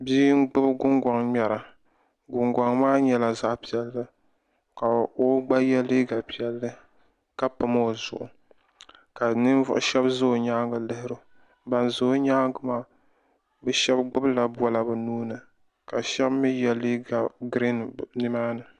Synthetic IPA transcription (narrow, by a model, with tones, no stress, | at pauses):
biː˦ɡ͡bɨ˦bɡʊ˦ŋɡʷa˨ŋmɛ˨ɾa˨ | ɡʊ˨ŋɡʷa˨ŋmaː˦ɲɛ˦la˨za˦ʔpi˨ɛ˨lːɨ˦ | ka˨o˦ɡ͡ba˦jɛ˦li˦ɡa˨pi˨ɛ˨lːɨ˦ | ka˦pɨ˨mo˦˨zʊ̰˨ʔʊ̰˨ | ka˨nɨ˦n˦vʊ̰˦ʔʊ̰˦ʃɛ˦bzo˦˨ɲaː˦ŋɡɨ˨lɨ˦hɪ˦ɾɨ˦ | ba˨nzo˨˦ɲaː˦ɡɨ˨˦maː˦ | bɨ˦ʃɛ˦bɡ͡bʊ˦bla˨bu˦a˦la˨bɨ˨nuː˦nɨ˨ | ka˨ʃɛ˦bmi˦jɛ˦li˦ɡa˨ɡɾi˦nnɨ˦maː˦nɨ˨